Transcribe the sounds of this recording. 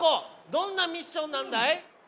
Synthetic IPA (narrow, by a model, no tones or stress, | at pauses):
od̪ɔnːamʲiɕonːand̪aj